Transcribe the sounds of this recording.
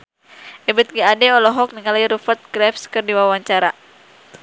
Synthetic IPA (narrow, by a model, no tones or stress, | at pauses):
ʔɛbɛt̪̚ɡiadɛɔlɔɦɔk̚niŋalaiɾufərt̪̚ɡɾɛfskɨrdiwawaɲt͡ʃaɾa